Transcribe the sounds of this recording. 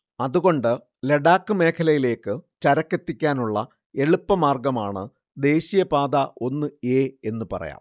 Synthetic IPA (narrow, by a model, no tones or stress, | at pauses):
ɐðuɣo̞ɳɖɨ | leɽaːkːɨme̞ːkʰɐlɐjile̞ːkːɨt͡ɕɐɾɐkːet̪ːikʲːaːnuɭːɐ | e̞ɭupːɐmaːrɡɐmaːɳɨ̰ | d̪e̞ːɕijɐpaːd̪ɐʔo̞nːɨeːe̞nːɨpɐ̰rɐ̰ja̰ːm